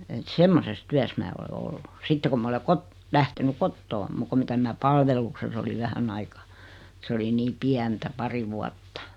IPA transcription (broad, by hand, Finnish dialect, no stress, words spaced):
et semːoses tyæs mæː ole olːu sitːe ku m ole kot læhteny kotːoː muk ku mitæ minæ pɑlʋelukses oliʋ ʋæhæn ɑikɑ̥ s oli niː piæntæ pɑri ʋuɑtːɑ̥